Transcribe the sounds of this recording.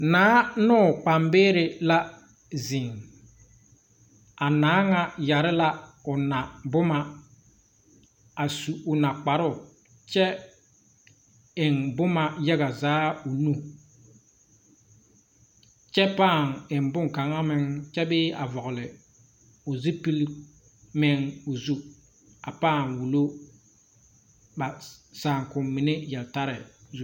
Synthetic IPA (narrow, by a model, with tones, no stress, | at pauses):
naː˨˦nʊ˦˨k͡pa˨mbeː˦ɾɪ˨la˦ | zi˨ŋ | a˨naː˨˦ŋa˦ja˨ɾɪ˦la˦ʊ˨na˨bʊ˦ma˦ | a˨su˨ʊ˨na˨k͡pa˨ɾʊ˦˨ | t͡ʃɛ˦ | ɪ˨ŋbʊ˦ma˨jɛ˦ɣa˨zaː˨˦ʊ˨nu˦ | t͡ʃɛ˦paː˦˨ŋɪ˨m˨bʊ˦ŋ˨ka˨ŋa˦mɪ˦ŋt͡ʃɛ˦bɪː˦ʔa˨vɔ˨ɣʊ˨lɪ˨ | ʊ˨zɪ˦pi˦l | mɪ˦ŋo˨zu˦ | a˨paː˦˨ŋwu˨lo˦ | ba˨saː˨ŋkʊ˨mːɪ˨nɪ˦jɛ˨lta˦ɾɪ˨zu˦